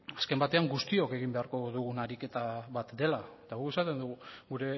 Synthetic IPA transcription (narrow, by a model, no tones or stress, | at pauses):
aske̞mbat̪e̞aŋɡust̪io̞ke̞ɣ̞imbe̞aɾko̞ðuɣunaɾike̞t̪aβat̪d̪e̞laet̪aɣuesat̪e̞nd̪uɣuɣuɾe̞